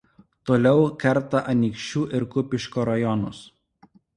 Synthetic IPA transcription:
t̪oːlʲɛʊkʲɛɾt̪ɐʔɐnʲiːkʃʲt͡ʃʲuːʔɪɾkʊpʲɪʃkoːɾɐjɔnʊs

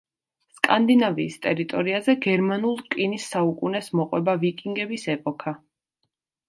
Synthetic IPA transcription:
skʼand̪inaviːst̪ʼɛɾit̪ʼɔɾiazɛɡɛɾmanulˠkʼinisːaukʼunɛsmɔqʼwɛbavikʼiŋɡɛbisɛpʼɔkʰa

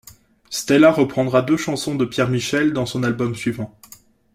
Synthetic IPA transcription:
st̪ɛlaʁəpχɑ̃d̪ʁad̪øʃɑ̃sɔ̃d̪əpjɛʁmiʃɛld̪ɑ̃sɔ̃nalbɔmsɥivɑ̃

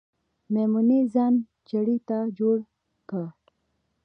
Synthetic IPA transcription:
memunezɑn | t͡ʃaɽit̪ad͡ʒoɽ | kə

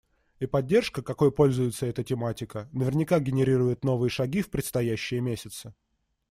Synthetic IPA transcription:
ipɐdʲːe̞rʂkəkɐko̞jpo̞lʲzʊjɪt̪səɛt̪ətʲɪmatʲɪkənəvʲɪrnʲɪkaɡʲɪnʲɪɾʲiɾʊjɪt̪no̞vɨjəʂɐɡʲifpɾʲɪt̪st̪ɐjæɕːɪjəmʲesʲɪt̪sɨ

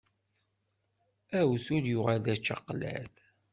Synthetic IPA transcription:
æwθʊɾjʊʁalæt͡ʃːɑ̰qlæ̰l

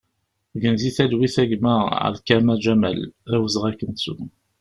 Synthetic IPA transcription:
ɡənziθælwiθæʝməə̰ðkæmæd͡ʒæmæ̰læwəzʁækːənsṵ

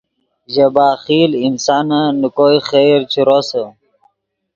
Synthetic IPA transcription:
ʑɐbaːxiːlinsaːnanukoːixeːɾt͡ɕʰuɾosə

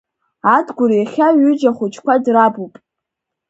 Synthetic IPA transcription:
adɡʷʊɾjaχʲaɥʏd͡ʒaχʷʊt͡ʃʰkʷʰadrabupʼ

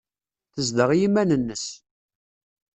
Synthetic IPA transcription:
θəzd̪əʁjimænənːəs

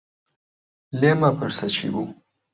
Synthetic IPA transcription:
lemapəɾsat͡ʃḭbu

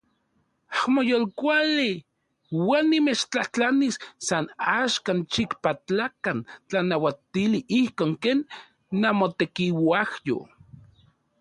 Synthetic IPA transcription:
ahmojolkʷali | wanːimet͡ʃt͡ɬaht͡ɬanisːanaːʃkant͡ʃikpat͡ɬakant͡ɬanawat̪iliʔihkoːŋkeːnː | amot̪ekiwahjo̰

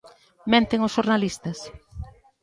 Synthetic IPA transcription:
mẽnt̪eŋʊsʃoɾnalist̪ɐs

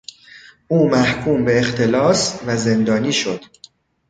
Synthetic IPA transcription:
ʔuːmæhkʰuːmbe̞ːxt̪ʰe̞lɒːsvæze̞nd̪ɒːniːʃo̞d̪̥

